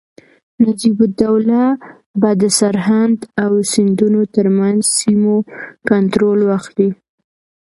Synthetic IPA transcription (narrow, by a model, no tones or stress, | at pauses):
nad͡ʒibʊd̪awla | bɑd̪əsaɾɦand̪awsɪnd̪unot̪əɾmanzsimokant̪ɾolwaxli